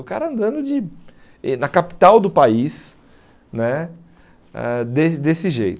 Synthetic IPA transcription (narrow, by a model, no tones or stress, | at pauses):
ʊka̰ɾɐɐ̃nd̪ɐ̃nd̪ʊd͡ʒɪ | nɐkapi̥t̪awd̪ʊpais | nɛ | ɛ̰d̪esd̪esɪʒḛjt̪